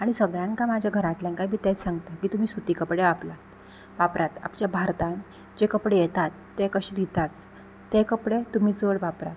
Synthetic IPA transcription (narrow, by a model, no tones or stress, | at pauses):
aɽ̃isəɡɭjãŋkamad͡ʑʱjaɡʱəɾãt̪ljãnkajbʱiːt̪et͡ssãŋɡt̪akiːt̪um̤iːsut̪iːkəpɽeʋapla | ʋapɾat̪a̰pt͡ɕjabʱaɾt̪ãn | d͡ʑekəpɽejɛt̪at̪ːekəɕid̪it̪at͡s̪ː | ekəpɽet̪um̤iːd͡zəɽʋapɾa̰t̪